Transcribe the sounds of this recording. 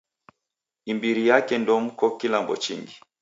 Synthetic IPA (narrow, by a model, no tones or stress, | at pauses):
imbiɾijakɛndɔm̩kɔkilambɔ̰t͡ʃiŋɡi